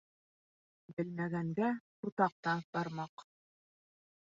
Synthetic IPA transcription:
bɘlmæɡæŋɡæ | uɾt̪ɑq̚t̪ɑnb̪ɑɾmɑq

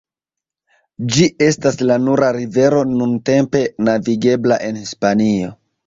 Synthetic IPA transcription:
d͡ʒie̞staslanuɾaɾive̞ɾo̞nunte̞mpe̞naviɡe̞blaʔe̞nhispanio̞

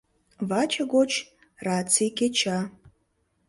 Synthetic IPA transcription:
vat͡ʃʰɐɡot͡ʃʰ | rat͡sʰikʲet͡ʃʰa

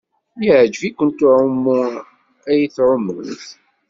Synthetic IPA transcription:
jəʕd͡ʒvikʷːənt̪ʊʕʊmːʊ | æjθʕʊmːəθ

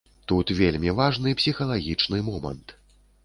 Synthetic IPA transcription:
t̪ut̪vʲelʲmʲivaʐnɨpsʲixɐlˠaɣʲit͡ʂnɨmɔmɐ̰nt̪

